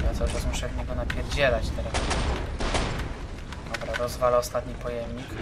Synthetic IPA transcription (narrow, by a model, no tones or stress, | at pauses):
jat̪sɔʐɔzmuʂɛvɲɛɡɔnapʲjɛɾd͡ʑɛlat͡ɕt̪ɛɾak | d̪ɔbɾad̪ɔzvalɛɔst̪at̪ɲipɔjɛmɲik